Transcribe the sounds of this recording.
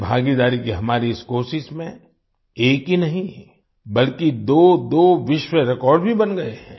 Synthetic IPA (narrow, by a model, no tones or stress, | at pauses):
bʱaːɡid̪aːɾikiɦɐmaːɾiskoːsɪsmẽ | eːkɦinɐɦĩ | bɐlkid̪oːd̪oːʋɪʃwəɾɪkɔːɾɖbʱibɐnɡɐeɦɛ̰̃ː